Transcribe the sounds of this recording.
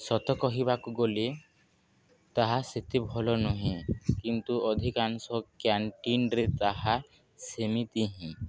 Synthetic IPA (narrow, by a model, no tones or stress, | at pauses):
sɔt̪ɔkɔɦibakuɡole | t̪aɦaset̪ebʱɔlɔnɔɦĩkint̪uɔd̪ʱikansɔkaɳʈiɳɾet̪aɦa | semit̪iɦĩ